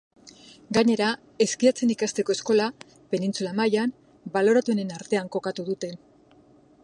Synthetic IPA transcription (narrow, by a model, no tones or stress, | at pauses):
ɡaɲe̞ɾa | e̞skiat͡se̞nikast̪eko̞e̞sko̞la | pe̞nint͡sulamajan | balo̞ɾat̪uene̞naɾt̪e̞aŋko̞kat̪uðut̪e̞n